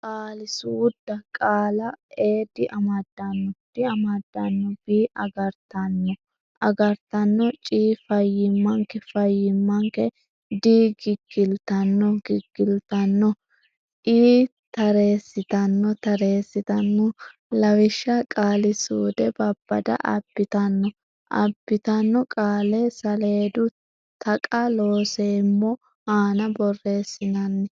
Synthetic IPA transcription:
kʼaːlɪsuːd̪̥ːɐkʼaːlɐe̞ːd̪ɪʔɐmɐd̪ːɐnːɔd̪̥ɪɐmɐd̪ːɐnːɔb̥iːʔɐɡɐɾt̪ɐnːɔ | ʔɐɡɐɾt̪ɐnːɔt͡ʃʼiːfɐjːɪmːɐŋkɛfɐjːɪmːɐŋkɛ | d̪iːɡɪɡːɪlt̪ɐnːɔɡɪɡːɪlt̪ɐnːɔ | ʔiː | t̪ɐɾe̞ːsːɪt̪ɐnːɔt̪ɐɾe̞ːsːɪt̪ɐnːɔ | lɐwɪʃːɐkʼaːlɪsuːd̪ɛbɐbːɐ̰d̪ɐ̰ʔɐ̰pːɪt̪ɐnːɔ | ʔɐ̰pːɪt̪ɐnːɔkʼaːlɛsɐle̞ːd̪ʊ | t̪ɐkʼɐlo̞ːseːmːɔ | haːnɐbɔrːe̞ːsːɪnɐnːɪ

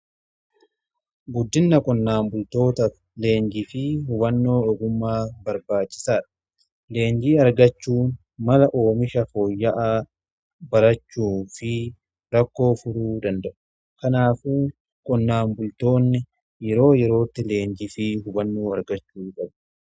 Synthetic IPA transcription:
ɡʊd̪ːɪnːɐkʼɔnːaːmbʊlt̪o̞ːt̪ɐ | le̞ːɲd͡ʒɪfɪhʊbɐnːo̞ːʔɔɡʊmːaːbɐɾbaːt͡ʃːɪ̥saːᶑɐ̥ | le̞ːɲd͡ʒiːɐɾɡɐt͡ʃːuːn | mɐlɐʔoːmɪʃɐfoːjːɐʔa | bɐɾɐt͡ʃːuːfɪ | ɾɐkːo̞ːfʊɾuːd̪ɐnd̪ɐʔʊ̥ | kɐnaːfʊ | kʼɔnːaːmbʊlt̪o̞ːnːɪ | jɛɾo̞ːjɛɾo̞ːt̪ːɪle̞ːɲd͡ʒɪfɪɦʊbɐnːoːɐɾɡɐt͡ʃːuːkʼɐb

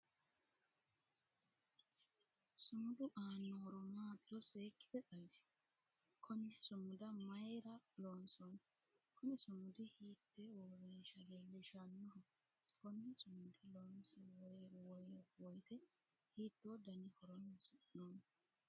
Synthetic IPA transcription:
sʊmʊd̪ʊʔaːnːoɾʊmaːt̪ɪɾɔseːkːɪ̥d̪ɛtɐjs | kʰɔnɪsʊmʊd̪ɐmɐjɾɐloːnsɔn | kɔnɪsʊmʊd̪ɪhiːt̪ːewɔːɾeːʃɐleːlːɛʃɐnːʊɾɔ | kɔnːɪsʊmʊd̪ɪloːnsɛwɔjwɔjwɔjt̪ɛ | hiːt̪ːoːd̪ɐnɪhɔɾɔnsnoːn

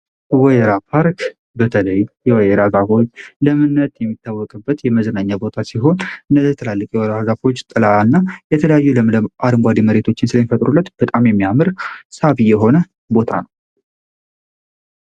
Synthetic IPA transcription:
wɔjeɾapʰaɾk | bət̪ʰələjjɛwɔjeɾazafo̞t͡ʃːləmɨnːət̪jɛmːit̪ʰːawːɔkʼɨbːət̪jɛməzənaɲːabo̞t̪ʰasiɦo̞nɨnəɛt̪ʰəlalːəkʼjɛwɾazafo̞t͡ʃːt̪ʼɨlanːajɛt̪ʰələjajːuləʔad̪ɨmɡʷad̪iməɾe̞t̪ʰo̞t͡ʃːɪnsɨləmifət̪ʼɾulːət̪b̥ət̪ʼamjɛmːijamɨɾsaβijɛɦo̞nə | bo̞t̪ʰanəw

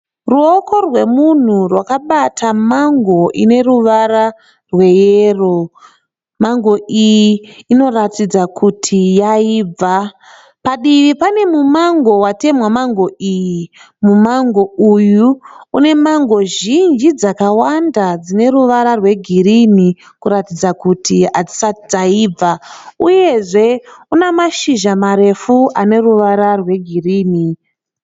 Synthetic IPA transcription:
ruokʰo̞rwe̞mun̤urwakaɓatʰamaŋɡo̞ʔine̞ruʋara | rwe̞jero̞ | maŋɡo̞ʔijiːno̞ratid͡zakʰutʰijaiːb͡va | paɗiʋipane̞mumaŋɡo̞wate̞mwamaŋɡo̞iji | mumaŋɡo̞ujuːne̞maŋɡo̞ʒind͡ʒid͡zakawandad͡zine̞ɾuʋaɾarwe̞ɡʱirini | kuɾatid͡zakutʰiad͡zi̥satid͡zaib͡vauje̞ʐe̞unamaʃiʒamaɾe̞fuʔane̞ruʋaɾarwe̞ɡʱiriːni

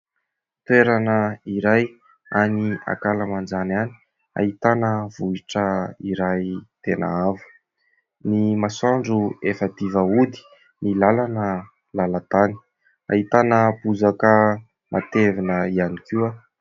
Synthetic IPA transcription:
t̪weɾanəiɾaj | ania̰kaləmand͡ʒanani̥ | a̰ɦit̪anəvuiʈ͡ʂəiɾajt̪ena̰avə̥ | nimasaɳɖ͡ʐuefət̪ivəud̪i̥ | nilalanə | lalat̪ani̥ | a̰it̪anəpuzakə | mʔat̪evinəianikiwa

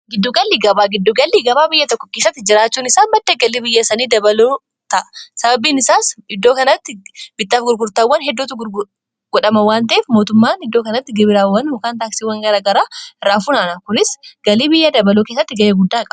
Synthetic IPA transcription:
ɡɪd̪ːʊɡɐlːiːɡɐbaːɡɪd̪ːʊɡɐlːiːɡɐbaːbɪjːɐt̪ɔkːɔkeːsːɐt̪ːɪd͡ʒɪɾaːt͡ʃːuːnɪsaːnbɐd̪ːeːɡɐliːbɪjːɐsɐniːd̪ɐbɐloː | t̪ɐʔɐ̥sɐbɐbiːnɪsaːsɪd̪ːoːkɐnɐt̪ːɪbɪt̪ːaːfɡʊɾɡʊɾt̪aːwːɐnɦɛd̪ːuːt̪ʊɡʊɾɡʊ | ɡ̥ɔᶑɐmɐwaːnt̪ɐʔeːfmo̞ːt̪ʊmːaːnɪd̪ːoːkɐnɐt̪ːɪɡɪbɪɾaːwːɐnʊkaːnt̪aːksiwɐŋɡɐɾaːɡɐɾaːɪrːaːfuːnaːnakʊnɪsɡ̥ɐliːbɪjːad̪ɐbɐloːke̞ːsːɐt̪ːɪɡɐjeːɡʊd̪ːaːkʼɐɐ

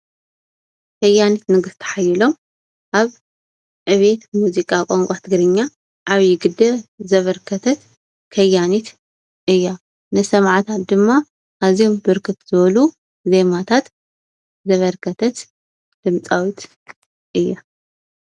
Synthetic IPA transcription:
kʰɐjːanit̪nɨɡɨst̪ʰɐ̥ħajɪlo̞m | ʔaβ | ʕɨβet̪muzikʼakʼoŋkʷʼat̪ʰɨɡɾɨɲːa | ʔaβjɪɡɨd̪ɐzɐβɐɾkʰɐt̪ʰɐt̪ | kʰɐjːanit̪ | ʔɨjːa | nɨsɐmʕt̪ʰat̪̚d̪ɨmːa | ʔaziombɨɾkʰɨt̪z̥ɨβɐlu | ze̞mat̪ʰat̪ | zɐβɐɾkʰɐt̪ʰɐt̪ | d̪̥ɨmt͡sʼawit̪ | ʔɨjːa

